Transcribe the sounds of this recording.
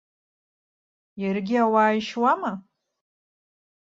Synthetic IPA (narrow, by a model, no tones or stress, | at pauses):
jarɡʲɪawaːjʃwama